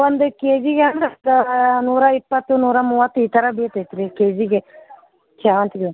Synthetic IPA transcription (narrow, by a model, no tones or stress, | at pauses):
ond̪ukeːd͡ʒiɡeɐnd̪ɾɐd̪ɐnuːɾɐipːɐt̪ːunuːɾɐmuːʋɐt̪ːuiːt̪ɐɾɐbiːt̪et̪ɾikeːd͡ʒiɡe | t͡ʃʰaːɐnt̪iɡe